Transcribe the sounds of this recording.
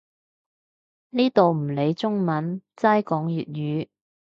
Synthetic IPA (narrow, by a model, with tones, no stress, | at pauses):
niː˥t̪o˨wm̩˨˩le˨˧jt͡sʊ˥ŋmɐ˨˥nt͡saː˥jkɔː˨˥ŋjyː˨t̚jyː˨˧